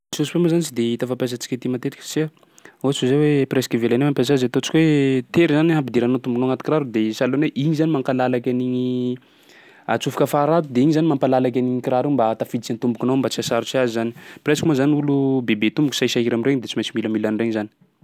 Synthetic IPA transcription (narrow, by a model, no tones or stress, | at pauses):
sosu̥pemozanit͡ʃid̪eit̪afapas̬at͡si̥kʲit̪imat̪et̪i̥kse | ot͡suzewepɾesi̥kivelanomampas̬akzet̪ot͡si̥kʲwet̪eɾizanɦampid̪iɾanot̪umbunoaŋat̪i̥kraɾud̪esaloneʔiɲizanimaŋkalalakʲaniɲi | a̰t͡sufu̥kəfaɾat̪ud̪eiɲizanimampalalak̬ʲaniŋikiɾaɾimbat̪afid̪it͡sant̪umbukinoambat͡siasaɾut͡siazizani̥presi̥kʲmozaniulubebet̪umbukʲusasaɦiɾamireŋd̪et͡simajt͡ʃimiləmilanireŋzani̥